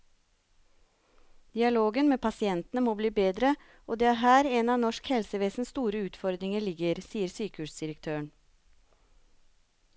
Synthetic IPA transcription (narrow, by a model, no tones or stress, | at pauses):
d̪̥ɪɑloːɡənmeːpʰɑsɪɛnt̪nəmoːbliːbeːd̪ɾə | oːd̪eːɑɦæːɾeːnɑːnɔʃkhɛlsəʋeːsn̩st̪uːɾəʉːt̪fɔɾd̪ɾɪŋəɭɪɡəɾsiːəɾsyːkəhʉːsd̪ɪɾəkt̪ʰøːəɳ